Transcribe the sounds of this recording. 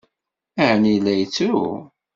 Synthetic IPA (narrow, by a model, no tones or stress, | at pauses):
æʕnilːæjt͡sːu